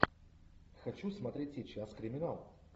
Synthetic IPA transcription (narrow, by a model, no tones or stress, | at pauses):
xɐt͡ɕusmɐt̪ɾʲetʲɪt͡ɕaskɾʲɪmʲɪnalˠ